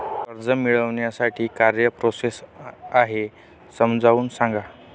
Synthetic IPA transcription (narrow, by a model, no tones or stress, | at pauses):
kəɾd͡zəmiɭəʋɳjasaʈʰiːkaɾjəpɾosesaɦe | səmd͡zauːnsãŋɡa